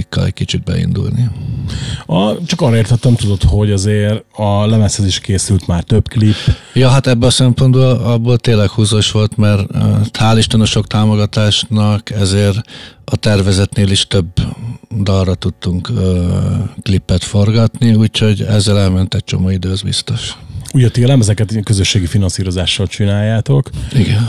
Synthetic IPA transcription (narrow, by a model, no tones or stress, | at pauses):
kːɒ̰lɛ̰c̚ʲkit͡ʃid̪̚bɛ̰ḭnd̪ṵlni | ɒt͡ʃɒkɒːrɒeːrt̪ʰɛt̪ːɛmt̪ud̪o̞t̪ho̞ɟɒzeːɾɒlɛmɛshøziʃkeːsylt̪maːrt̪øpklipː | jɒːɦat̪ɛbːøɒsɛmpo̞nd̪bolɒbːoːlt̪eːnlːɛkhuːzoʃʋo̞lt̪mɛrt̪haːliʃt̪onoʃo̞kt̪aːmo̞ɡɒt̪aːʃnɒkɛzeːrɒt̪ɛrvɛzɛt̪neːliʃt̪øbd̪ɒlrɒt̪ut̪ːuŋkː | klipːɛt̪fo̞rɡɒt̪niuːcho̞ɟɛ̰zːɛlɛlmɛnt̪ɛc̚t͡ʃo̞̰moːid̪øːzbḭst̪o̞ʃuɟɒt̪iːlɛmɛzɛkɛt̪kø̞zøʃːeːɡifinɒnsiːɾo̞zaːʃːɒlt͡ʃinaːjːaːt̪o̞kiɡɛn